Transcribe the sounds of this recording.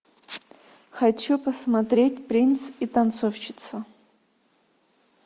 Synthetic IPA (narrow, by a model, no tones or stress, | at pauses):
xat͡ʃupɐsmat̪ɾʲe̞tʲprʲinsit̪ant͡sʰofʃɪt̪t͡s̪ʰɐ